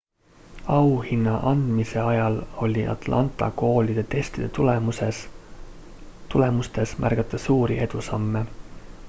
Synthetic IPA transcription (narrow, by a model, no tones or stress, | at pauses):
ɑwhinːɑʔɑnd̪̥mise̞ɑjɑlo̞lʲiʔɑ̰t̪lɑ̰nt̪ˑɑ̰ko̞ːlʲid̪̥e̞t̪e̞st̪id̪̥et̪ulemuses | t̪ule̞must̪e̞smʔæ̰rɡɑt̪ˑːɑsuːɾiʔe̞d̪̥usɑmːe